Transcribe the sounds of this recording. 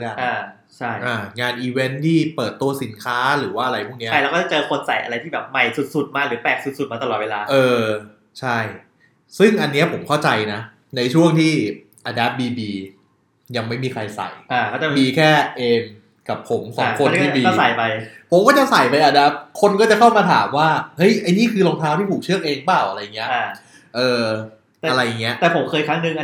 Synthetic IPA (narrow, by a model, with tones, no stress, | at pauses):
aː˧˩ | t͡ɕʰa˥˩jʔaː˧˩ŋaː˧nʔiː˧we˦˥nt̪ʰiː˥˩pɤː˨˩t̪ːu˧ɐsi˩˦nkʰaː˦˥ɾɯː˩˦waː˥˩ʔa˧ɾa˧jpʰu˥˩ŋni˦˥ɐ˦a˥˩jlɛ˦˥wkɔ˥˩a˨˩t͡ɕɤː˧kʰo˧nsa˨˩jʔa̰˧ɾa˧jt̪ʰiː˥˩bɛː˨˩p̚ma˨˩jsu˨˩t̪̚su˨˩t̪̚maː˧˩k̚ɾɯː˩˦pɛː˨˩k̚su˨˩t̪̚su˨˩t̪̚maː˧t̪ɔː˨˩t̪̚weː˧laː˧ʔɤː˧ | t͡ɕʰa˥˩j | sɯ˥˩ŋʔa˧nːi˦˥ɐpʰo˨˩˦mkʰa˥˩wt͡ɕa˧jna˦˥ | na˧jt͡ɕʰu˥˩əŋt̪ʰiː˥˩ | ʔaː˧daː˦˥p̚ːbiː˧biː˧ | ja˧ŋma˥˩jmiː˧kʰɾa˧jsa̰˨˩jʔaː˧˩ɔ˥˩t͡ɕa˨˩biː˧kʰɛː˥˩ʔeː˧m | ka˨˩pʰːo˩˦msɔ̰ː˨˦kʰo˧nt̪ʰiː˥˩biː˧ɔː˥˩sa˨˩jpa˧jpʰo˨˩˦mkɔː˥˩t͡ɕa˧˩ŋsa˨˩jpa˧jʔaː˧daː˦˥p̚kʰo˧nkɔː˥˩t͡ɕa˨˩kʰa˥˩wmaː˧t̪ʰa̰ː˩˦mwaː˥˩hɤ˦˥jʔa˧jniː˥˩kʰɯː˧loː˧ŋt̪ʰaː˦˥wt̪ʰiː˥˩pʰuː˨˩k̚t͡ɕʰɯ˥˩ək̚ʔeː˧ŋbaː˥˩wʔa˧ɾa˧jːa˨˩ŋːi˦˥ɐʔ | ʔɤː˧ | ɛ˨a˧ɾa˧jːa˨˩ŋːi˦˥ɐʔt̪ɛː˨˩pʰo˩˦mkʰɤː˧jkʰɾa˦˥ŋnɯ˨˩ŋʔ